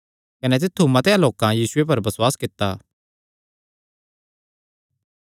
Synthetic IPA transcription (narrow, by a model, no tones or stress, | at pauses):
kɐnet̪̬ɪt̪ʰːumɐt̪eãloːkãjiːsʊep̬ɐɾbɐswaːskɪt̪ːaː